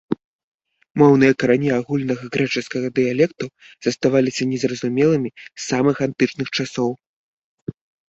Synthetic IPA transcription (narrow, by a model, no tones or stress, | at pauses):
mɔwnɨjɐkɐɾanʲiaɣulʲnɐɣɐɣɾɛt͡ʂɨskɐɣɐd̪ɨjalʲɛkt̪u | z̥ɐst̪avalʲisʲɐnʲɛzrɐzumʲɛlˠɨmʲisamɨxant̪ɨt͡ʂnɨxt͡ʂasɔw